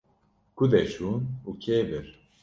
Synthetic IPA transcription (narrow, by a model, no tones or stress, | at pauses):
kud̪ɛʃunukʰeːvɨɾ